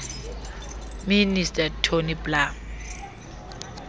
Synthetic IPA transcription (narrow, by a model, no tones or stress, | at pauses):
ministʼatʰoniblam